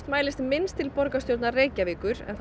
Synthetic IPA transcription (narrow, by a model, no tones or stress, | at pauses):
t̪maːjlɪst̪mɪnst̪ʰɪlpɔɾkast̪jowt̪nareːjcavɪːkʏɾ̥ɛ̰nθ